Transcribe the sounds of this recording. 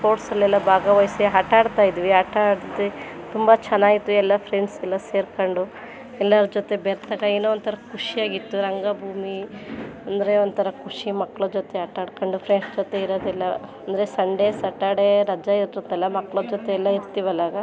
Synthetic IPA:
pʰo̞ːɾʈsɐlːɛlːɐbʱaːɡɐʋɐjsiɦɐʈaːɽt̪aːjid̪iʋiɦɐʈaɽd͡ʒot̪et̪umbɐt͡ʃɛnaːɡit̪ːuɛlːɐpʰɾeɳɖsɛlːɐseːɾkoɳɖu | ɛlːɐɾud͡ʒot̪e̞beɾt̪aːɡɐeːnuont̪ʰɐɾɐkuʂiaːɡit̪ːuɾɐŋɡabʱuːmiɐnd̪ɐɾe̞ond̪t̪ʰɐɾɐkuʂimɐkːɭɐd͡ʒot̪eɦɐʈaːɽkɐɳɖupʰɾeɳsd͡ʒot̪eiɾoːd̪ɛlːɐɐnd̪ɐɾesɐɳɖesɐʈaːɽeɾɐd͡ʒaiɾt̪od̪ɛlːɐmɐkːɭɐd͡ʒot̪eːlːɐiɾt̪iʋɐlːaːɡɐ

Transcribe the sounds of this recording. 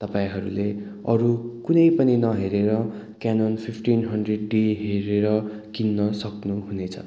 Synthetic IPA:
t̪ʌpãĩɦʌɾṵle | ʌɾukunʌjpʌninʌɦeɾeɾʌ | kanonpʰipʰʈinɦʌɳɖreɖːiɦeɾeɾʌ | kinːʌsʌknuɦunet͡sʰʌ̰

